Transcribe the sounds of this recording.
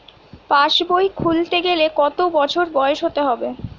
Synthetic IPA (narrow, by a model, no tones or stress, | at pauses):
paʃbojkʰult̪eɡelekɔt̪obɔt͡ɕʰoɾbɔeoʃɦot̪eɦɔbe